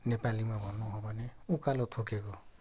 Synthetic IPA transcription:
nepalimabɔnɔɦɔbaneukalɔt̪ʰokeɡɔ

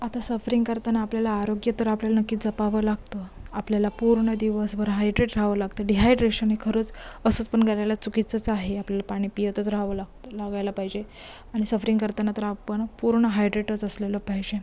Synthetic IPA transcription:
at̪asəfɾiŋɡkəɾt̪anaːpljalaːɾoɡjət̪əɾapljalanəkːiːt̪d͡zəpaʋəlaɡt̪əapljalapuɾɳəd̪iʋəsbəɾɦajɖɾeʈɾaʋəlaɡt̪əɖiɦajɖɾeɕənɦekʰəɾəːt͡səsut͡spəɳɡalajlat͡sukit͡sət͡saɦeapljalapaɽ̃iːpijət̪ət͡sɾaʋəlaɡt̪əlaɡajlapaɦid͡ʑe | aɽ̃isəfɾiŋɡkəɾt̪anat̪əɾapəɳpuɾɳəɦajɖɾeʈət͡səsleləpaɦid͡ʑe

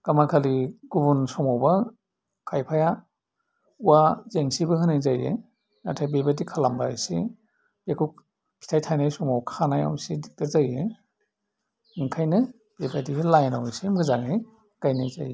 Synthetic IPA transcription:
kamakʰaliɡubunsɔmawba | kʰajpʰaja | uwazeŋsibɯhɯnajzajḛ | na̰tʰajbebadikʰalamba̰jsi | b̥ekʰuk | kʰi̥tʰajtʰajnajsɔmawkʰanaja̰msidik̚taɾzaje | iŋkʰajnɯ | b̥ebadilajnawjsimɯzaŋaj | ɡ̥ajnajza̰je

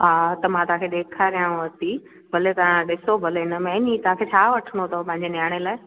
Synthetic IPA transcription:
at̪ɐmãːt̪ʊɦãːkʰeɗ̪eːkʰaɾijãʋɐt̪i | bʱɐlet̪ɐãɗɪsobʱɐlenəmẽnĩt̪ʊɦãːkʰeːt͡ɕʰaːʋɐʈʰəɽ̃ot̪ʰɐpɐ̃ɦɪ̃ɲd͡ʑenjaːɽ̃elaːɪ

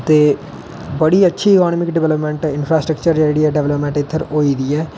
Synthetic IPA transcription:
t̪eː | bəɽiːətːʃʰiːɪkaːnɔːmɪkɖɪʋɛləpmɛ̃ɳʈɪnpʰɾaːsʈɾəkt͡ʃəɾd͡ʒɛːɽiːɛːɖɛʋləpmɛ̃ɳʈɪt̪ʰːəɾoːid̪iːɛː

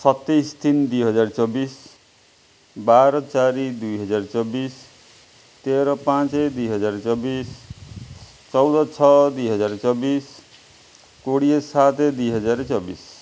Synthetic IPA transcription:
sʌt̪ːejsd̪ind̪ujɦʌd͡ʒaɾt͡ʃɔbis | baɾɔt͡ʃaɾid̪ujɦʌd͡ʒaɾt͡ʃɔbis | t̪eɾɔpãt͡sed̪uijɦʌd͡ʒaɾet͡sɔbis | t͡ʃʌwd̪ʌt͡sʰɔd̪ujɦʌd͡ʒaɾt͡sɔbis | koɽiesat̪ʰed̪ujɦʌd͡ʒaɾet͡sɔbis

